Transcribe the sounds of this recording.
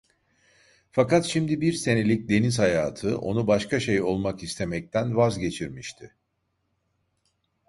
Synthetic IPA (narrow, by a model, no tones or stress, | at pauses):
fakat̪ʃimd̪ibiɾse̞ne̞lʲic̚d̪e̞niz̥hajaːt̪ʰɯʔo̞̰nubaʃkaʃe̞jo̞lˠmakist̪ʰe̞mɛc̚t̪ʰænvazɟe̞t͡ʃʰiɾmiʃt̪ʰɪ